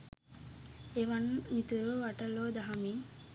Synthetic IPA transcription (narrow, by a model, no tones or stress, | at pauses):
eʋɐnːmit̪uɾuʋʋaʈɐloːd̪aɦɐmiː